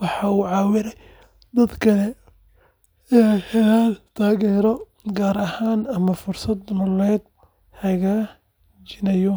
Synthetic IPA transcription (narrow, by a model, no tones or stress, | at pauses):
wɑħɑuːʕɑːwɪɾɛj | d̪ɐd̪kʰɐlɛ | aħɛlaːdt̪ʰaːɣɛːɾɔ | ɡaːɾɐhaːnɐmɐfʊrsɐd̪mɔlɛːd̪̚ | hɐɣaː | t͡ʃɪnɐjɔ